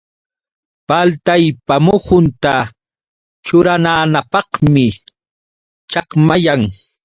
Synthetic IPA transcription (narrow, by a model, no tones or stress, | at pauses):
palt̪ajpamʊhʊnt̪a | t͡ʃʊɾanaːnapɑhmɪ | t͡ʃɑqmajaŋ